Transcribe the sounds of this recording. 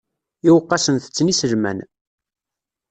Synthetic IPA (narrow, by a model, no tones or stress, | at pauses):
iwəqːɑsənθə̥t͡sːnisəlmæ̰n